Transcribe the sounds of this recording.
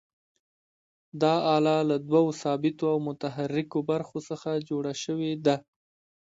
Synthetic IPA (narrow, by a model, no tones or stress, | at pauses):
d̪ɑɑlɑlad̪wawosɑbɪt̪oawmʊt̪aɦaɾːɪkobaɾxosəxad͡ʒoɽaʃəwed̪a